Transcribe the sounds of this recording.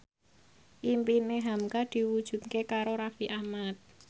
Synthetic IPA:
ʔimpineɦamkad̪̥i̤wud̥ʒ̥ṳt̪̚kekaɾoɾafiʔahmat̪̚

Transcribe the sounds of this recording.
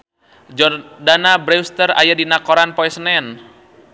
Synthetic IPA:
d͡ʒɔdanabɾɛwst̪əra̰jadinakɔɾanpɔɛsnɛn

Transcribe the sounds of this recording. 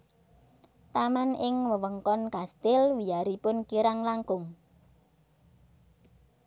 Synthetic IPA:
t̪amanɪŋwəwəŋkɔnkast̪ɪlwijaɾipʊnkiɾaŋlaŋkʊŋ

